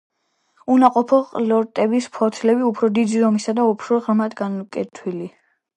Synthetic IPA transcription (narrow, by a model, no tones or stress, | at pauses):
unaqʼɔpʰɔqʼlɔɾt̪ʼɛbispʰɔt̪ʰlɛbiupʰɾɔd̪id̪izɔmisad̪aupʰɾɔʁɾmad̪ɡanukʼɛt̪ʰwili